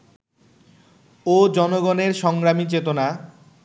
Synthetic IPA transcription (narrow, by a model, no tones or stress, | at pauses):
od͡ʑɔnoɡɔneɾʃɔŋɡɾamit͡ɕet̪ona